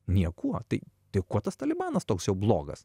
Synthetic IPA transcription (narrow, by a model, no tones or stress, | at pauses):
nʲiɛkuɔt̪ɐɪt̪ɐɪkuɔt̪ɐst̪ɐlʲɪbɑːnɐst̪oːksjɛʊblˠoːɡɐ̰s